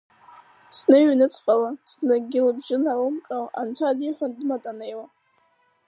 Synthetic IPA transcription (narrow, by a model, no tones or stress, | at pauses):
snɨɥnɨt͡sʰʼχʼalasnɨɡʲɪlbʒɪnalɨmqʼawa̰nt͡ɕʷʰadiħʷandɨmatʼanejwa